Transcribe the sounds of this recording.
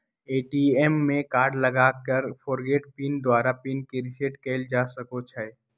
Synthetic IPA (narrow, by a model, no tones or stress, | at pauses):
eːʈiemːẽkaːɾɖlɐɡaːkəɾfɔːɾɡeːʈpiːnd̪waːɾapiːnkeɾɪseʈkeːld͡ʒaːsɐkot͡ʃʰɛ